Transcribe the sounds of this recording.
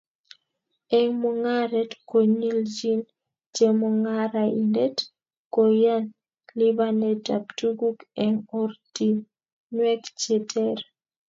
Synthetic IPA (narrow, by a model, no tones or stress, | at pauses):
ɛŋmuŋaɾɛtkoɲild͡ʒin | t͡ʃemuŋaɾaḭndet | kojan | libanɛtaptuɡukɛŋɔrti | nwɛkt͡ʃɛtʰɛɾ